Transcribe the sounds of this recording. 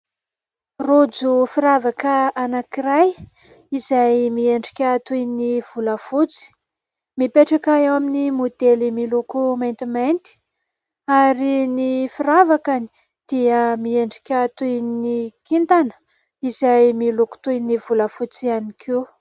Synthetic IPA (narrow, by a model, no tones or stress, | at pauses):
rod͡zufiɾavakəanakiɾaj | izajmieɳɖ͡ʐi̥kʲət̪ujniv̥uləfut͡si̥ | mipeʈ͡ʂakawaminimud̪elimilukumajnt̪imajnt̪i̥ | aɾinifiɾavakani̥ | d̪̥iəmieɳɖ͡ʐi̥kʲat̪ujnikint̪anə̥ | izajmiluku̥t̪ujnivuləfut͡sianikʰew